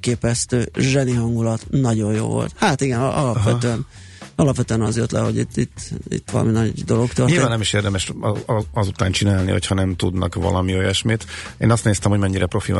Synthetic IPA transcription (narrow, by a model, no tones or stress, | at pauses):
keːpɛst̪øːʒɛniɦɒŋɡulɒt̪nɒɟo̞jjo̰ːvo̞̰lt̪haːt̪iɡɛnɒlɒpʋɛøɛn | ɒlɒpʋɛt̪øɛnɒzjo̞t̪lɛ̰ɦo̞ɟit̪ːit̪ːḭt̪ːʋɒlɒ̰minɒɟd̪o̞lo̞kt̪ørtilevaːnnɛmiʃeːrd̪ɛmɛʃ | ɒzut̪aːnt͡ʃinaːlnḭho̞̰chɒnɛmt̪ud̪nɒ̰kʋɒ̰lɒmiojɛʃmeːt̪ | ḛːnɒst̪neːst̪ɛmhomɛɲːiɾɛpro̞fḭ